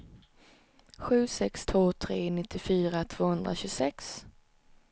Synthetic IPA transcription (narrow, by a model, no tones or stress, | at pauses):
ɧʉ̟ːsɛkst̪ʰvoːt̪ʰɾeːnɪt̪ːɪfyːɾat̪ʰv̥oːhɵnd̪ɾa̰ɕɵɡsɛks